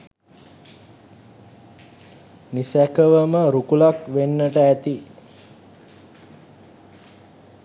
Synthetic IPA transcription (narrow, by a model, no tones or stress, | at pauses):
nisækəʋəməɾukulakʋenːəʈəæt̪i